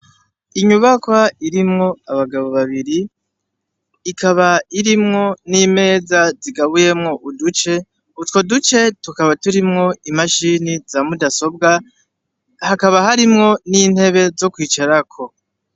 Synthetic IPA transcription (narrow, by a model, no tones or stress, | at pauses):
iɲuβakwaiɾimŋo̞aβaɡaβo̞βaβiɾi | kʰaβaiɾimŋo̞nime̞ːzaziɡaβuje̞mŋo̞ʔudut͡ʃe̞ | utwodut͡ʃe̞tukaβatuɾimŋo̞imaʃinizamudaso̞b̚ɡa | hakaβaɦaɾimŋo̞nin̥he̞βe̞zo̞kwiːt͡ʃaɾakʰo̞